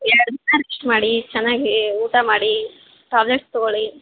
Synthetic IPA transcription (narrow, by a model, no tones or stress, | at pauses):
ɛɾɐɽud̪inːɐɾesʈmaːɽit͡ʃɛnːaːɡiuːʈamaːɽi | ʈaːbleʈst̪ɔɡoɭi